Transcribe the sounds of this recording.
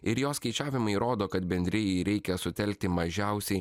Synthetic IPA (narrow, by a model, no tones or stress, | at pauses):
ɪɾjoːskɐɪt͡ʃʲæːʋʲɪmɐɪɾoːd̪oːkɐt̪bʲɛnʲd̪ʲɾʲɪjɛɪɾʲɛɪkʲɛsʊt̪ʲɛlʲk̚t̪ʲɪmɐʒʲɛʊsʲɛɪ